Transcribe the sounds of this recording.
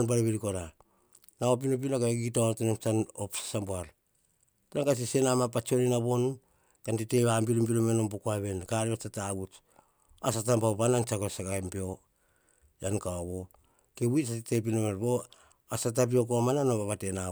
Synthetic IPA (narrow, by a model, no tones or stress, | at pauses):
nbaɾeβiɾikoɾa | naop̬inop̬inokaeɡitontonomt͡ʃanopsḁsamboaɾ | tɾaŋkas̬ise̞namapat͡ʃoninaβo̞n | kantiteβambiɾumbilomenompokoaβe̞nkaɾiβat͡ʃataɡut | asatampaopanant͡ʃakosakampeo̞ | jankaaβo̞ | keβuisatitep̬inomeɾbo̞ | asat̬ap̬io̞k̬oamananobaβatena